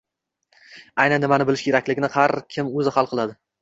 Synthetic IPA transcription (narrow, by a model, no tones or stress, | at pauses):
ajnanːɪmanɪbɪlɪʃkʲʰeɾakʲlɪɡʲɪnɪhaɾkʲʰɪmɵzɪhalˠqʰɨlˠad̪ɪ